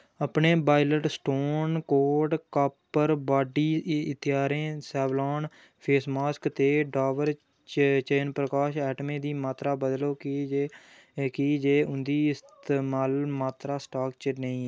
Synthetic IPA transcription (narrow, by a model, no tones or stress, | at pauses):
əpneːbaːɪləʈsʈoːnkoːɾɖkaːpːəɾbaːɖiːɪt̪ɪjaːɾẽːsɛːblaːn | pʰeːsmaːskt̪eːɖaːʋəɾ | t͡ʃəːnpɾəkaːʃɛːʈmẽːd̪iːmaːt̪ɾaːbəd̪loːkː | kid͡ʒeːʊnd̪iːɪst̪eːmaːlmaːt̪ɾaːsʈaːkt͡ʃənəĩːɛː